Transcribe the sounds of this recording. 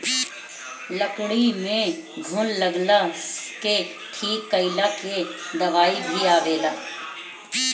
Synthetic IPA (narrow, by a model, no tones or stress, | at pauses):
ləkɽimẽɡʱʊlləɡlake | ʈʰiːkːəɪlaked̪ɐʋaːibʱiaːʋeːɡaː